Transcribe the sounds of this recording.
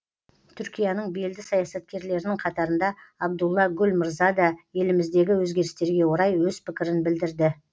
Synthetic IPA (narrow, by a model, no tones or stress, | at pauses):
t̪ʰʏɾkʲijɑnəɴbe̞ld̪ɪsɑjɑsɑt̪̚kʲe̞ɾle̞ɾɪnɪŋqʰɑt̪ɑɾənd̪ɑɑb̚d̪ulˠːɑɡʲɵlmɪɾzɑd̪ɑje̞lɪmɪzd̪e̞ɡʲɪwɵzɡʲe̞ɾɪst̪e̞ɾɡʲe̞woɾɑjwɵzpɪkʲɪɾɪnbɪld̪ɪɾd̪ɪ